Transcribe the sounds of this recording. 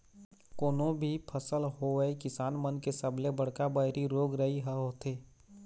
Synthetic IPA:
koːnõbʱipʰəsəlɦoɛekɪsaːnmənkesəbʱlebɐɽ̤kabəɦɾiɾoːɡɾəɦiɦɛɦoːt̪eː

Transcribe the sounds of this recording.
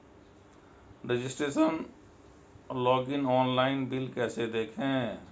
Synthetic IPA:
ɾɪd͡ʒɪsʈɾeːʃən | lɔːɡɪnɔːnlaːɪnbɪlkɛːsed̪eːkʰɦẽː

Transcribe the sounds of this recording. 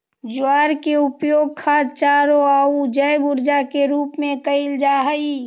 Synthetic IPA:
d͡ʒʊwaːɾkeʊpjoːɡ̚kʰaːt͡ʃaːɾoaːud͡ʒəjbʊɾd͡ʒakeɾuːpmẽkəɪld͡ʒaːɦəi

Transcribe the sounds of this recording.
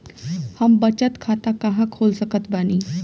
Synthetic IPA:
hɐmbɐt͡ʃət̪kʰaːt̪akɐɦãkʰoːlsɐkət̪baːniː

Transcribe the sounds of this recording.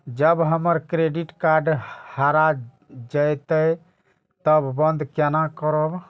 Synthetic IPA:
d͡ʒəbɦəməɾkɾeɖiʈkaɾɖhaɾa | d͡ʒəjt̪əj | t̪əbːə̃nd̪kenakəɾəb

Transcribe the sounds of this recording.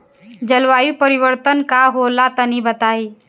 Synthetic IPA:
d͡ʒəlʋaːjupəɾɪʋəɾt̪ənkaɦolat̪ənibət̪aːi

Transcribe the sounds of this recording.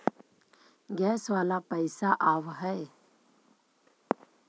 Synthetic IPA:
ɡɛːsʋaːlapəɪsaʔaːʋɦɛe

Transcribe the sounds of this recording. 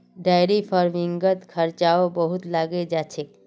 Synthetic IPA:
ɖajɾipʰɔɾmiŋɡət̪kʰəɾt͡ʃaobəɦut̪laɡed͡ʒat͡ʃʰe

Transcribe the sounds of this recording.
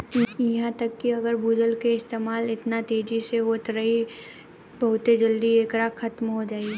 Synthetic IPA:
jɐɦãt̪ɐkːiɐɡəɾbʱuːd͡ʒəlkeɪst̪eːmaːlɪt̪nat̪eːd͡ʒiseɦoːt̪ɾɐɦi | bɐɦʊt̪ed͡ʒɐld̪ieːkɾaːkxɐt̪mɦod͡ʒaːi

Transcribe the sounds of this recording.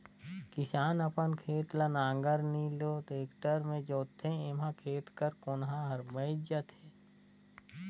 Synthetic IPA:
kɪsaːnɐpənkʰeːt̪lənãːŋɡəɾniːlot̪eːkʈəɾmẽd͡ʒoːt̪ʰẽemãkʰeːt̪kəɾkonɦãɦɐɾbəɪd͡ʒət̪e

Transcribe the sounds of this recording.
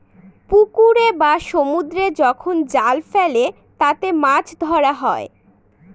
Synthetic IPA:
pukuɾebaʃomud̪ɾed͡ʑɔkʰond͡ʑalfele | t̪at̪emat͡ɕʰd̪ʱɔɾaɦɔe

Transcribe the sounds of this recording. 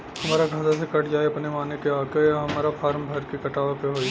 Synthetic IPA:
hɐmaːɾaɡʱaːzasekɐʈʰd͡ʒaːeɐpnemaːnekeaːkejaɦɐmaːɾapʰaːɾmbʱɐɾkikɐʈaːʋapeɦoːiː

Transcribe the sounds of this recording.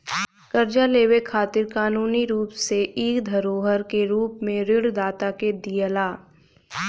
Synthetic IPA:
kɐɾd͡ʒaleːwekʰaːt̪ɪɾkaːnuːniɾuːpseʔiːkd̪ʱɐɾoːɦəɾkeɾuːpmẽɾɪɽd̪aːt̪aked̪ijəlaː

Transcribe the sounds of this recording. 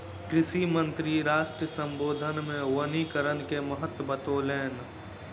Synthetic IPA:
kɾɪʃimənt̪ɾiɾaːʃʈɾəsə̃mboːd̪ʱənmẽwənikəɾənkeməɦət̪wəbət̪oːleːn

